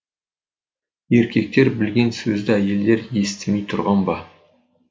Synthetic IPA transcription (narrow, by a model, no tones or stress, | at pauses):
e̞ɾkʲe̞k̚t̪e̞ɾbɪlɡʲe̞nsɵzd̪ɪæje̞ld̪e̞ɾje̞st̪ɪmejt̪ʰʊɾʁɑnbɑ